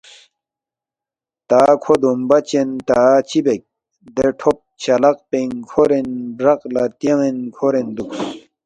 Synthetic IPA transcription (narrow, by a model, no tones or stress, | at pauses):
t̪aːkʰod̪ombɐt͡ɕent̪aːt͡ɕibek̚ | d̪eʈʰop̚t͡ɕʰɐlɐq̚peŋkʰoɾenbɾɐqlat̪jeŋenkʰoɾend̪uk